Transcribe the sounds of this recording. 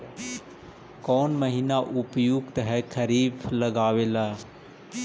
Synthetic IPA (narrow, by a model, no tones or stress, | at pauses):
kɔːnməɦinaʔʊpjoːɡt̪əɦɛkʰəɾiːbləɡaːʋeːlaː